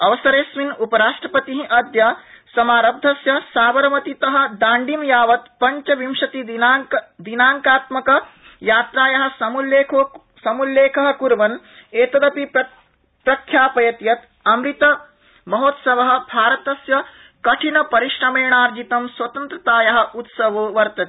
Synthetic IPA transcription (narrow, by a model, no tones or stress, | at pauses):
ɐʋɐsɐɾeːsʋinupɐɾaːʂʈɾɐpɐt̪iɦĩʔɐd̪jɐ | sɐmaːɾɐb̚d̪ʱɐsjɐsaːʋɐɾmɐt̪it̪ɐɦɐ̆d̪aːɳɖimjaːʋɐt̪pɐɲt͡ʃɐʋimʂɐt̪i | d̪inaːŋkaːt̪mɐkɐ | jaːt̪ɾaːjɐɦɐ̆sɐmuleːkʰoː | sɐmulːeːkʰɐɦɐ̆kuɾʋɐn | eːt̪ɐd̪ɐpipɐ | pɾɐkʰjaːpɐjɐt̪jɐt̪ | ɐmɾit̪ɐ | mɐɦoːt̪sɐʋɐɦɐ̆bʱaːɾɐt̪ɐsjɐ | kɐʈʰinɐpɐɾiʂɾɐmeːɳaːɾd͡ʒit̪ɐmswɐt̪ɐnt̪ɾɐt̪aːjɐɦɐ̆ʔut̪sɐʋoːʋɐɾt̪ɐt̪i